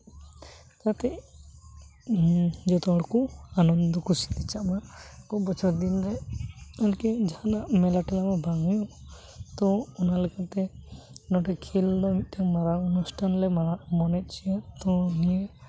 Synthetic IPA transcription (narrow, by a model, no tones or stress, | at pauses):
k̪at̪ɛʔ | d͡ʒɔt̪ɔɔɽkɔanɔnd̪ɔkʰusi̥t̪it͡ʃaʔmakɔbɔt͡ʃʰɔɾd̪inɾɛɔlkid͡ʒahanaʔmɛlaʈɛlamabʱaŋɔjɔ | t̪ɔunalɛkat̪ɛnɔʈɛkʰild̪ɔmit̪̚t̪amaɾaunusʈʰanlɛmaamɔnɛt̪̚ˀt͡ʃʰiat̪ɔnijɛ